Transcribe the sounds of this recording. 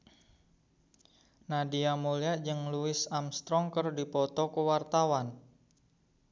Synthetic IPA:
nadiamuliaʔd͡ʒəŋluɪsamst̪ɾɔŋkərdipɔt̪ɔkuwart̪awan

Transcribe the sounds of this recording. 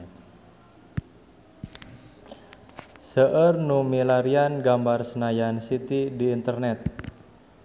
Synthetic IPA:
səʔərnumilaɾianɡambarsənajansit̪idiːnt̪ərnɛt̪̚

